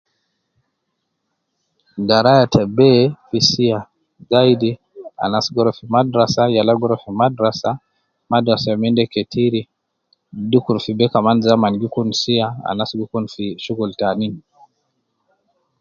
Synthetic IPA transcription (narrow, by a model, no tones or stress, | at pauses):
daɾajatʰɛbɛfisia | zaidi | a̰nasɡɔɾɔfimadɾasajalaɡɔɾɔfimadɾasa | madɾasajamindɛkɛtʰiɾi | dukuɾfibɛkamanzamanɡukunsiaa̰nasɡukunfiʃuɡultanini